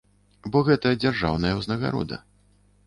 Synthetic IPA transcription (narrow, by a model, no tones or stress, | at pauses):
bɔɣɛt̪ɐjɐd͡zʲarʐa̰wnɐjɛwznɐɣa̰ɾɔ̰d̪ɐ̰